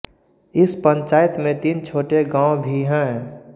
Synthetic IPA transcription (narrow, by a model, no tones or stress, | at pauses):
ɪspə̃nt͡ʃaːɪt̪mẽt̪iːnt͡ʃʰoːʈeɡãːõbʱiɦɛ̃